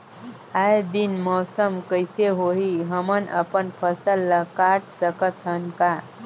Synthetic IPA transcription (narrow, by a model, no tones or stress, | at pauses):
ajd̪inmɔːsəmkəjseɦoɦiɦəmənə̰pənpʰəsəlːəkaʈsəkət̪ɦənka